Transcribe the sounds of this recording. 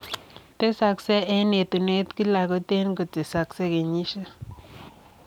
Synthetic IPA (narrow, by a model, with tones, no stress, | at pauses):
te˦sa˨ksɛ˦ɛ˦ne˨t̪u˨ne˦t̪ki˦la˨kɔ˦te˦nko˨te˨sa˨kse˦ke˨ɲi˦ʃe˦